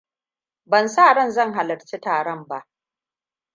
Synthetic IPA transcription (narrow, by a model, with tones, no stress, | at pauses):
bɐ˨nsaː˦˨ɽɐ˦nzɐ˦˨ŋɦa˨lɐ˨ɽt͡ʃi˦taː˨ɽɔ˦˨mba˦ʔ